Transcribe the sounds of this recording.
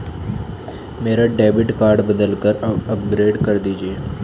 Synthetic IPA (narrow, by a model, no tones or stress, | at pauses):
meːɾaɖɛːbɪʈkaːɾɖbəd̪əlkəɾəpɡɾeːɖkəɾd̪iːd͡ʒieː